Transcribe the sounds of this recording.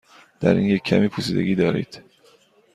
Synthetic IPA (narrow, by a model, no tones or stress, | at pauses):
d̪̥æ̰ɾḭːnjecʰːæmiːpʰusiːd̪eɡʲiːd̪ɒːɾḭːd̪̥